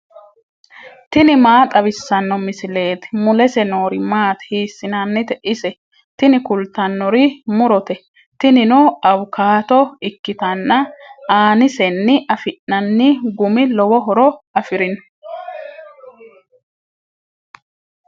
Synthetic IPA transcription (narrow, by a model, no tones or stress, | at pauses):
t̪ɪnɪmaːt̪ʼɐbɪsːɐnːɔmɪsɪle̞ːt̪mʊlɛsɛnoːɾɪmaːt̪ɛ̥hiːsːɪnɐnːɪt̪ɛʔɪsɛ | t̪ɪnɪkʊlt̪ːɐnːɔɾɪmʊɾɔt̪ɛ | t̪ɪnɪnɔɐwʊkʰaːt̪ɔɪkːɪt̪ɐnːɐaːnɪsɛnːɪʔɐfɪʔːɐnːɪɡʊmɪlɔwɔɦɔɾɔɐfɪɾɪnɔ̥